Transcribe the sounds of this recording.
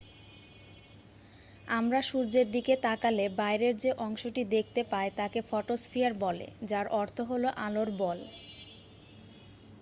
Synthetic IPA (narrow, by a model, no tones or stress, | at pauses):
amɾaʃuɾd͡ʑeɾd̪iket̪akalebaeɾeɾd͡ʑeʔɔŋʃoʈid̪ek̚ʰt̪epaet̪akefɔʈosfijaɾbɔlḛd͡ʑaɾʔɔɾt̪ʰoɦoloʔaloɾbɔl